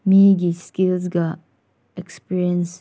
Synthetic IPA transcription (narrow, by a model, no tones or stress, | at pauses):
miɡiskilzɡa | ekspiɾiəns